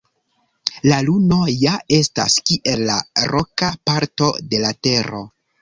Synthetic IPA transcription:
laluno̞jae̞sta̰skiʔe̞lːaɾo̞kapaɾto̞de̞late̞ɾo̞̰

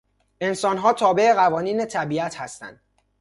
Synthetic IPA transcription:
ʔe̞nsɒːnɦɒːt̪ʰɒːbe̞eɣævɒːniːnet̪ʰæbiːæt̪hæst̪æ̰nd̪̥

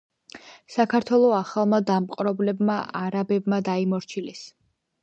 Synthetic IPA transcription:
sakʰaɾt̪ʰwɛlˠɔaχalˠmad̪amqʼɾɔblɛbmaʔaɾabɛbmad̪aimɔɾt͡ʃʰilɛs

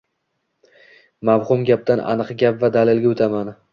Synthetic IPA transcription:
mavhʊmɡʲap̚d̪anʔa̰nɨqɡʲapvad̪alɪlɡʲaot̪ʰaman

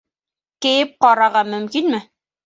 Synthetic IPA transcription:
kɘ̆jɘp̚qɑɾɑʁɑmɵ̆mkinmɘ

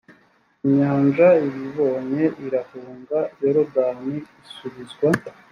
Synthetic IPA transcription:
iɲaːnʒaiβiβo̞ːɲe̞ʔiɾahuːŋɡaoɾoɡaːniisuβizɡwa

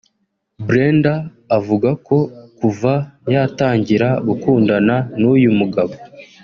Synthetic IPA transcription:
bɾendaː | vuɡakʰo̞kuvajataːɲɟiɾaɡukuːndananujumuɡaβo

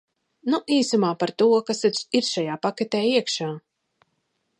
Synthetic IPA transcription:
nuʔiːsamaːpaɾt̪uɔkasɛiɾʃajaːpakɛt̪ɛːiɛkʃaː

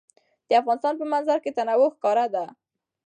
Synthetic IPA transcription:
d̪̥əafɣɑnɪst̪ɑnpəmanzaɾket̪anawʊxkɑɾad̪a

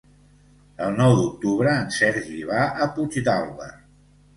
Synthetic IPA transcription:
əlˠnɔwd̪uk̚t̪uβɾəːnsɛɾʒiβ̞aʔəput͡ʃd̪alˠβə̰

